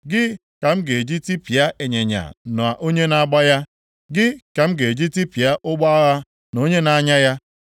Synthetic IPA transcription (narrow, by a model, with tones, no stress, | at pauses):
ɡɪ˦ | ka˨m̩˦ɡe˨d͡ʒi˦ti˦pja˦ʔe˨ɲe˨ɲa̰˨nʊ˨a˨ʔo˦ɲe˦na˨˦ɡ͡ba˦ja˦ | ɡɪ˦ka˨m̩˦ɡe˨d͡ʒi˦ti˦pja˦ʔʊ˦ɡ͡ba˦ɣa˦ | no˦ɲe˦na˨˦ɲa˦ja˦